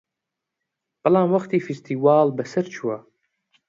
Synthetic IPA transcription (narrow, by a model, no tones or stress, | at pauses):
b̥ɐlɑːmwɐxt̪iːfist̪ʰiːwɑːlbɐsɐɾt͡ʃʰuwɐ